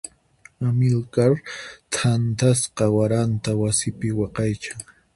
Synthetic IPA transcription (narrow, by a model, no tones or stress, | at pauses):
amɪlkaɾt̪ʰant̪asqɑwaɾant̪awasɪpɪwɑqɑjt͡ʃaŋ